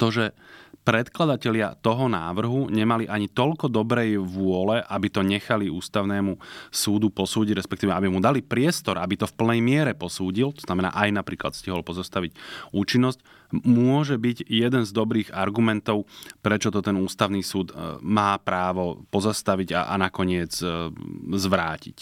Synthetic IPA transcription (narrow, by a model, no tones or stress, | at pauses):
t̪ɔʒɛpɾɛt̪klad̪acɛlɪa̰t̪ɔɦɔnaːʋr̩ɦuɲɛmaliʔaɲit̪ɔʎkɔd̪ɔbɾɛjʋʊɔlɛʔabit̪ɔɲɛxaliuːst̪aʊnɛːmusuːd̪upɔsuːɟiɟɾɛspɛk̚t̪iːʋɛabimud̪alipɾɪɛst̪ɔɾabit̪ɔfpl̩nɛjmɪɛɾɛpɔsuːɟilt̪ɔ̥z̥namɛna̰ːʔajnapɾḭːkla̰t̪sciɦɔlpɔzast̪aʋiɟuːt͡ʃinːɔsc | mʊɔʒɛbiɟjɛd̪ɛnzd̪ɔbɾiːɣaɾɡumɛnt̪ɔʊpɾɛt͡ʃɔt̪ɔt̪ɛnuːst̪aʊniːsuːd̪maːpɾaːʋɔpɔzast̪aʋiɟa̰ʔa̰nakɔɲɪɛd͡z | zʋɾaːcḭc